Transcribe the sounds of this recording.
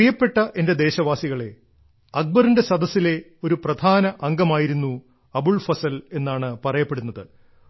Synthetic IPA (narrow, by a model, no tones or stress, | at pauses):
ijɐpːe̞ʈːɐʔe̞nde̞d̪e̞ːɕɐʋaːsiɣɐɭe̞ | ɐk̚bɐrinde̞sɐd̪ɐsːile̞ | o̞ɾuprɐd̪ʱaːnɐʔɐŋɡɐmaːjiɾunːu | ɐbuɭfɐsɐle̞nːaːɳɨpɐrɐjɐpːe̞ɽunːɐðɨ